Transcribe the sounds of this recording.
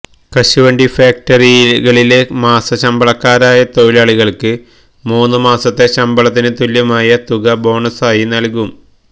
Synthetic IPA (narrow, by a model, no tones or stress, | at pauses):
kɐɕuʋɐɳɖifaːk̚ʈɐriɣɐɭile̞maːsɐɕɐmbɐɭɐkːaːɾaːjɐt̪ojlaːɭiɣɐɭkɨ | muːnːɨmaːsɐt̪ːe̞ɕɐmbɐɭɐt̪̬ːinɨt̪uljɐmaːjɐt̪uɣɐbo̞ːɳɐsaːjinɐlkum